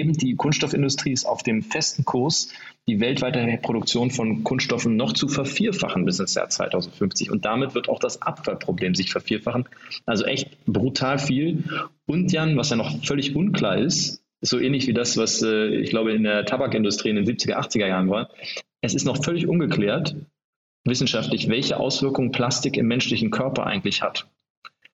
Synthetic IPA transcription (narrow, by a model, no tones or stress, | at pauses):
eːbm̩d̥iːkʰʊnsʃtɔfɪndʊstʁ̥iːɪsta̰ʊfd̥eːmfɛstn̩kʰʊɐs | d̥iːvɛltv̥aɪtəepʁ̥oɾʊkt͡sjoːnfɔnkʰʊnsʃtɔfn̩nɔχt͡sufɛɐfiːɐfa̰χn̩bɪsɪnsja̰ːɐt͡sv̥a̰ɪtʰaʊzn̩tfʏnft͡sɪ̰çʊ̰nt̚d̥amɪtv̥ɪɐta̰ʊxd̥asʔapfalpʁ̥obleːmzɪçfɛɐfiːɐfaχn̩ʔalzoʔɛçtb̥ʁutʰaːlfiːlʔʊntjanvasjaːnɔχfœlɪçʔʊnkl̥a̰ːɐʔɪst | ɪz̥oːʔɛːnlɪçv̥iːdasv̥asɛːɪ̰çɡ̥laʊbəɪndeːɐtʰabakɪndʊstʁ̥iːɪndeːnziːp̚t͡sɪɡɐʔaχt͡sɪɡɐjaːʁənvaːɐʔɛsɪstnɔχfœlɪçʔʊnɡəkl̥ɛːɐt | vɪsn̩ʃaftlɪçvɛlçəʔa̰ʊsv̥ɪɐkʊŋənpʰl̥astɪkɪmːɛnʃlɪçn̩kʰœɐpɐ̰ʔa̰ɪɡŋ̩tlɪçha̰t